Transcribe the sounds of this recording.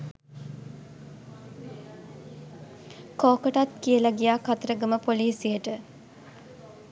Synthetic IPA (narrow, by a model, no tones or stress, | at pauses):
koːkəʈat̪kiəlaɡijaːkat̪əɾəɡəməpoliːsijəʈə